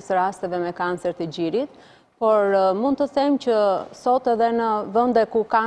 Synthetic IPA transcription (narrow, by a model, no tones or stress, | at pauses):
səɾast̪ɛvɛmɛkant͡sɛɾt̪əd͡ʑiɾit̪ | pɔɾmund̪̚t̪əθɛmt͡ɕəsɔt̪ɛðɛnəvənd̪ɛkuka